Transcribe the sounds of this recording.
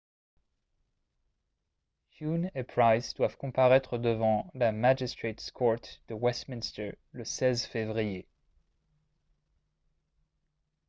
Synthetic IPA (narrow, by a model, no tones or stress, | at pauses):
hjunepɹajzd̪wav̥kɔ̃paʁɛt̪χəd̪əvɑ̃lamad͡ʒist̪χet̪skʰɔɹt̪d̪̥əwɛst̪minst̪ə˞ | ləsɛzfevʁije